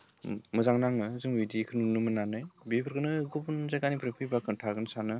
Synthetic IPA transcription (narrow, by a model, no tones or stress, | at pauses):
mɯzaŋnaŋɯzɯŋwidikʰɯnɯnɯmɯnanɯjbipʰɯɾɡɯnɯɡubɯnzaɡanipʰɾepʰɯjbakʰɯntʰaɡɯnsanɯ